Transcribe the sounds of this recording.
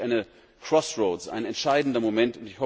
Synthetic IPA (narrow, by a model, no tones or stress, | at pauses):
aɪnə | kʰʁ̥ɔsʁoʊsa̰ɪnɛntʃaɪdn̩dɐmomɛntʊntɪçhɔ